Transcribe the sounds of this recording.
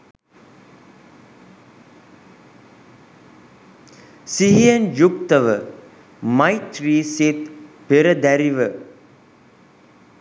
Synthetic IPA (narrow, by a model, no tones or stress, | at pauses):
siɦijənjukt̪əʋə | majt̪riːset̪peɾəd̪æɾiʋə